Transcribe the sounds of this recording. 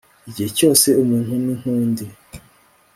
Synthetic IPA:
iɟiheco̞ːse̞umuːn̥huniŋ̥huːndi

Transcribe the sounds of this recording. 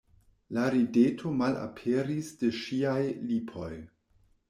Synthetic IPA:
laɾidetʰo̞mala̰pʰeɾisdeʃiajlipʰo̞j

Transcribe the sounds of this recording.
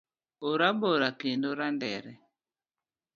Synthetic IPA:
oɾaboɾakindoɾandɛ̰ɾɛ

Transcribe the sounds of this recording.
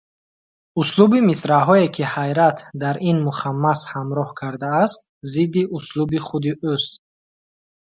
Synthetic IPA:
uslubimisɾaɦɔekʰihajɾat̪ʰd̪aɾinmuχamːashamɾɔhkʰaɾd̪aːst̪̚zid̪ːiʔuslubiχud̪iʔust̪

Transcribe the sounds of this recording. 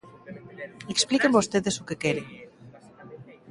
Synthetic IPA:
eksplikembost̪eðesukekeɾe

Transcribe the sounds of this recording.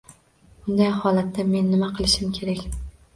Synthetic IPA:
bʊnd̪ajhɒlat̪ːame̞nːɪmaqʰɨlˠɪʃɪmkʲʰe̞ɾakʲ

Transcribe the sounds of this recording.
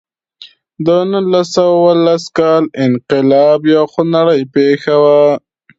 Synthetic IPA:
d̪ənʊlːasawawalːaskɑlɪnqɪlɑbjaxʊnaɽəjpexawa

